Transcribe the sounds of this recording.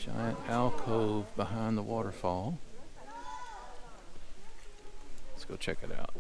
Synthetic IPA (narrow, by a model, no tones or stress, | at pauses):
ʃã̰ɪɨ̃nælˠkʰoʊvbəɦãɪ̃nðəwɔɾə˞fɔlˠ | sɡ̥oʊt͡ʃʰɛkɨɾa̰ʊt̚